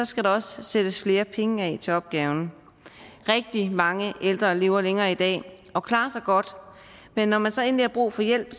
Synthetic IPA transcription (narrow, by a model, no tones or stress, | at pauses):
sɒ̽sɡ̥æɾɑ̈ɒ̽ssed̥əsfle̝ːɐpʰeŋəɛt͡sʰe̝ɒ̽b̥̚ɡ̥ɛːʊn | ʁɛɡ̥̚d̥imɑ̈ŋəʔeld̥ʁɐle̝ːʊɐleŋɐːid̥ɛ̰ː | ɒ̽kʰlɑ̈ːsɑ̈ɪɡ̥ɒ̽d̥ | menːɒmænsɒ̽e̝̰ːnlihɑ̈b̥ʁṵːfɒ̽jel̰b̥